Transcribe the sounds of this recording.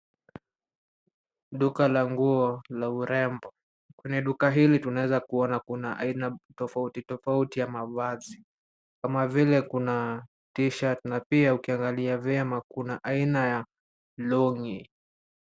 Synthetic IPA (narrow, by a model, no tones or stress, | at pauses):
ɗukalaŋɡuɔlauɾɛmbɔ | kwɛɲɛɗukaɦilitunaɛzakuɔnakunaʔa̰inatɔfautitɔfautijamavazi | kamavilɛkuna | tiʃatnapiaukiaŋɡaliavɛamakunaʔainaja | lɔŋi